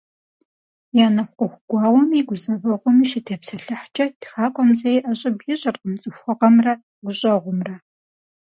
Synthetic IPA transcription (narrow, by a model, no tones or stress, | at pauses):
jaːnɐχʷqʷʊxʷʊɡʷɑːwɔmiːɡʷʊzɐvɐʁʷʊmiːʃɪtʰeːpsɐɬɐħt͡ʃʼɐdxaːkʷʼɔmzɐjɪʔɐɕʼɐbjɪɕʼɐrʼqəmt͡sʼɨxʷɔʁɐmrɐ | ɡʷʊɕʼɐʁʷʊmrɐ